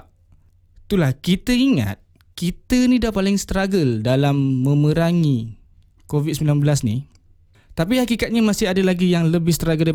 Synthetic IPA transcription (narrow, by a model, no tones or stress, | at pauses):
t̪ulahkit̪əiŋa̰t̪̚ | kit̪ənĩdapalɪŋst̪ɾaɡəldalamːə̃məɾaŋi | kovid̪̚səmilanbəlasnḭ | t̪ap̬iɦakikat̪̚ɲamasɪadalaɡijaŋləbɪhst̪ɾaɡəl